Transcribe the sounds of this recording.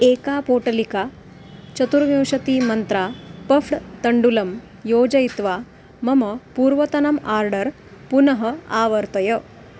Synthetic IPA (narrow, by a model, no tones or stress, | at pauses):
eːkaːpoːʈɐlikaː | t͡ʃɐt̪uɾʋjɐwʂɐt̪iːmɐnt̪ɾaːpɐfʰʈt̪ɐɳɖulɐm | joːd͡ʒɐjit̪ʋaː | mɐmɐpuːɾʋɐt̪ɐnɐmaːɾɖɐɾ | punɐɦɐaːʋɐɾt̪ɐjɐ